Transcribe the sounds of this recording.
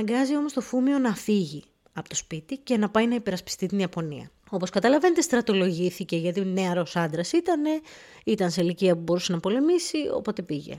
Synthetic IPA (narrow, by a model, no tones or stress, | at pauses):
ɐɐŋɡɐzio̞mo̞st̪o̞fumio̞nɐfiʝi | ɐpo̞t̪o̞spit̪ice̞nɐpɐjnɐipe̞ɾɐspi̥st̪it̪iniɐpo̞niɐ̰ | o̞po̞skɐt̪ɐlɐve̞net̪est̪ɾɐt̪olo̞ʝiθice̞ʝɐt̪ineɐɾo̞sɐnd̪ɾɐsit̪ɐne̞ | it̪ɐnseiliciɐpubo̞ɾuse̞nɐpo̞le̞misio̰po̞t̪e̞piʝe̞̰